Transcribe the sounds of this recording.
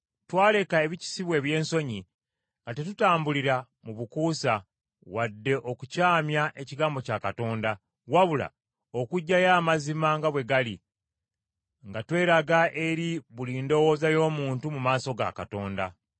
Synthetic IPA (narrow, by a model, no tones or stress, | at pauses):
twaːle̞kae̞βici̥siβwe̞ːβje̞ːnso̞ɲi | ŋɡatetutaːmbuliɾa | muβukuːsa | wadːe̞ʔo̞kucaːmjaʔe̞ciɡaːmbo̞cakato̞ːnda | waβula̰ | o̞kuɟːajaːmazimaŋɡaβwe̞ɡali | ŋɡatwe̞ːɾaɡaʔe̞ɾiβuliːndo̞wo̞ːzajo̞ːmuːntumumaːso̞ɡa̰ka̰to̞ːnda̰